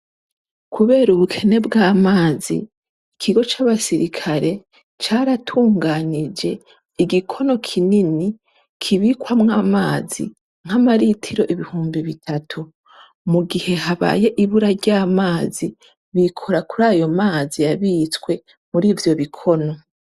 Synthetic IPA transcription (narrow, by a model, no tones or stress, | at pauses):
kʰuβe̞ːɾuβukʰe̞ne̞bɡaːmaːzḭ | kʰiɡo̞t͡ʃaβasiɾikʰaɾe̞ | t͡ʃaːɾatʰuːŋɡaːnid͡ʒe̞ | iɡikʰo̞no̞kʰinini | kʰiβikwamŋaːmaːzḭ | ŋ̥hamaɾitʰiɾo̞ʔiβihuːmbiβitʰatʰu | muɡihe̞ɦaβa̰ːje̞ʔiβuɾaɾɟaːmaːzi | βikʰo̞ɾakuɾaːjo̞maːzijaβiːt͡skwe̞ | muɾiːvjo̞βikʰo̞no̞